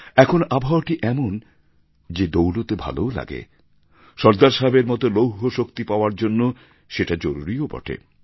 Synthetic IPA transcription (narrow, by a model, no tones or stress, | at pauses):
ɛkʰonabʱawaʈiʔɛmon | d͡ʑed̪owlot̪ebʱa̰loola̰ɡḛ | ʃɔɾd̪aɾʃabeɾmɔt̪olowɦoʃokt̪ipaoaɾd͡ʑonːo | ʃeʈad͡ʑoɾuɾiobɔ̰ʈʰḛ